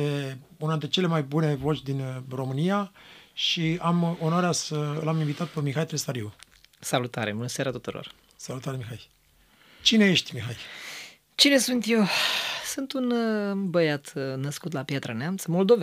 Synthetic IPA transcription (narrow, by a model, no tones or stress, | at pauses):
e | unant̪ɾet͡ʃe̞le̞majbune̞vo̞t͡ʃʲd̪inro̞mɨnijaʃiamonaɾeasəɨlaminvit̪at̪̚pemixajt̪ɾesaɾiu | salut̪aɾebunəseaɾat̪ut̪uɾo̰r | salut̪aɾemixaj | t͡ʃine̞je̞ʃt̪ʲmixaj | t͡ʃine̞sunt̪je̞wsunt̪unbəjat̪nəskut̪lapjat̪ɾəneamt̪səmo̞ld̪o̞ve